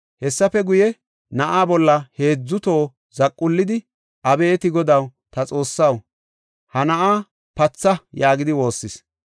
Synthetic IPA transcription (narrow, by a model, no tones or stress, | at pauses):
hɛsːɐfɛɡʊjɛ | nɐʔaːbɔlːɐhe̞ːd͡zːʊt̪o̞ː | zɐkʼːʊlːɪd̪ɪ | ʔɐbɛːt̪ɪɡɔd̪ɐwt̪ɐt͡sʼo̞ːsːɐw | hɐnɐʔaː | pɐt͡sːɐjaːɡɪd̪ɪwo̞ːsːɪs